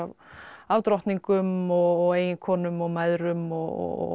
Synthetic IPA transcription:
av | aːwt̪ɾɔht̪niŋkʏmɔɣɔɣeːjɪnkʰɔːnʏmɔɣmajðɾʏmɔɣɔ̰

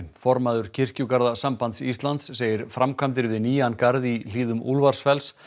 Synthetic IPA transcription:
nfɔɾmaðʏɾ̥cʰɪr̥cʏkaɾðasampant̪sist̪lant̪sːeːjɪɾ̥fɾamkʰamt̪̬ɪɾvɪðniːjankaɾðil̥iːðʏmṵlvaɾ̥sfɛls

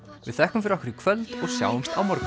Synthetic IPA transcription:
vɪ̰ðθɛhkʏmfɪɾahkɪɾɪkʰvœlt̪ɔɣsja̰ːwʏmst̪awmɔɾk

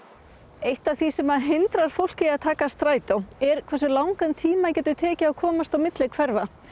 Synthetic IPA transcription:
ejht̪aθisɛmaðɦɪnt̪ɾaɾ̥fowl̥cɪaðt̪ʰaːkast̪ɾaːjt̪awɛɾ̥kʰvɛrsʏlawŋkant̪ʰiːmacɛːt̪ʏt̪ʰɛːcɪːkʰɔːmast̪awmɪt̪lɪkʰvɛɾva

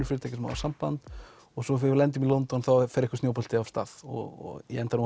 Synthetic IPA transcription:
ʏ̥ɾfɪɾɪt̪ʰajcɪsma̰ðasampant̪ | ɔɣsɔfɪɾlɛnt̪̬ʏmilɔnt̪ɔnθawfɛɾɪkʏ̥st̪njowpɔlt̪ʰɪav̥st̪a̰ðɔ̰ɣ̰ɛɛnt̪anu

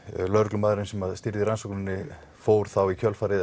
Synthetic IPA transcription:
lœɾklʏmaːðɾɪnsɛmaðst̪ɪɾðɪɾansɔknɪnːɪ | foːwɾ̥θawicʰœlfaːɾɪð

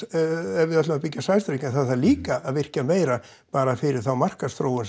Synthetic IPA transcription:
ɛvɪðat̪lʏmapɪcːasajst̪ɾejk̪θaðθaðliːkaːðvɪr̥cameːjɾa | paːɾafɪɾɪɾ̥θawmar̥kasθɾoːwʏns

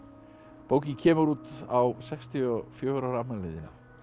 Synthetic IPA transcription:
powcɪcʰɛːmʏɾuːt̪awsɛkst̪ʰiɔfjoːwɾawɾanalḛðɪnːa̰

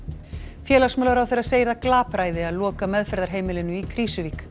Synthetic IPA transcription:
fjɛːlasmœːlaɾawθeɾaðseːjɾaklaːpɾaːjðɪaðlɔːkamɛðfɛɾðaɾ̥ɦeːjmɪlɪnʏikʰɾiːsʏviːk

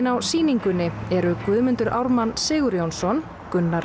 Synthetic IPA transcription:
nawsiːniŋkʏnːɪɛɾʏkvʏːðmʏnt̪ʏɾʔawɾmanːsɪːɣʏɾjownsɔn | kʏnːa

